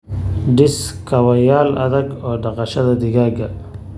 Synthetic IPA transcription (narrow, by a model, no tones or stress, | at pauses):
ɖɪskʰɐwɐjaːlɐ̰ðɐɡɔːɖɑqɐʃɐðɐd̪ɪɣaːɡɐ